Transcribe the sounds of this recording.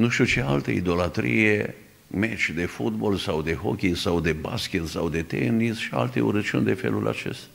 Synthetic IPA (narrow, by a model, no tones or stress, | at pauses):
nuʃt̪ʲut͡ʃe̞alt̪ḛid̪olat̪ɾḭje | me̞t͡ʃʲd̪e̞fut̪bo̞lsawd̪e̞ɦokʲisawd̪e̞baskʲet̪sawd̪e̞t̪enisʃia̰lt̪e̞uɾət͡ʃund̪efe̞̰lulʲa̰t͡ʃe̞st̪ḁ